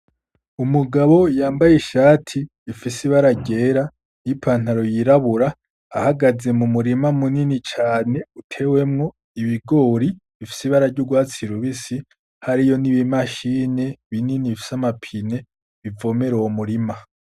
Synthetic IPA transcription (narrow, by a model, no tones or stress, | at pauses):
umuɡaβo̞jaːmbajeʃaːtʰiː | fisiβaɾaɟe̞ːɾa | nipʰaːn̥haɾo̞jiɾaβuɾaː | haɡaze̞mumuɾimamuninit͡ʃaːne̞utʰe̞we̞mŋo̞ | iβiɡo̞ːɾiβifi̥siβaɾaɾɟuɡwaːt͡siɾuβisi | haɾijo̞niβimaʃine̞βininiβifi̥samapʰine̞ | βivo̞me̞ɾowomuɾima